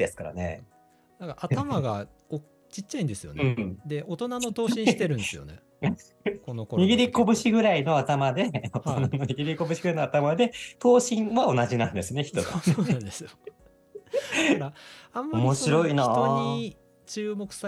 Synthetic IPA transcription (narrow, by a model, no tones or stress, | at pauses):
d̪e̞sɨ̥kaɾa̰ne̞̰ | nãŋkaat̪amaɡa | o | t͡ɕit͡ɕːaĩnd̪e̞sɨjo̞̰nɯ̃d̪eot̪onanot̪oːĩit̪eɾɯ̟nd̪esɨjo̰ne | konokoɲiɡʲiɾʲiko̞bɯ̟ɕiɡɯ̟ɾaino̞at̪amad̪e̞ot̪onanoɲ̟iɡʲiɾʲiko̞bɯ̟ɕi̥ɡɯ̟ɾainat̪amad̪e̞t̪o̞ːɕĩɰ̃βao̞naʑinãnd̪e̞sɨne̞çi̥t̪o̞ɨõnd̪esɨjo | aãmːaomo̞ɕiɾo̞inaɲi | t͡ɕɨːmo̞kɯ̟̥sa